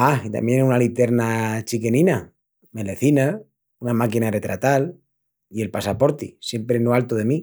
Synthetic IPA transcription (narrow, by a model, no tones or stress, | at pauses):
ait̪a̰mje̞nunalit̪e̞ɾnat͡ʃike̞nina | me̞le̞θina | unamakinare̞t̪ɾat̪al | ie̞lpasapo̞ɾt̪ḭsje̞mpɾenoalt̪oð̞e̞mi